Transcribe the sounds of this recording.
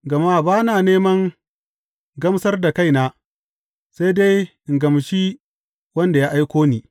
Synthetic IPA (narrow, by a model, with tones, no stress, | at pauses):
ɡɐ˨ma˦baː˦naː˨neː˦mɐ˦ŋ | ɡɐ˦msɐ˦rda˨ka˦jnaː˦ | sa˦jde˦jʔɪ˨ŋɡɐ˨m˨ʃi˦ | wɐ˦nda˨jaː˦ʔa˦jkʷoː˦niː˨